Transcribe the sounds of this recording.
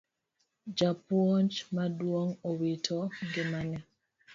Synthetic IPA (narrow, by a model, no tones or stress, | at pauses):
d͡ʒapwont͡ʃmadwoŋowitʰɔɡɪmanɛ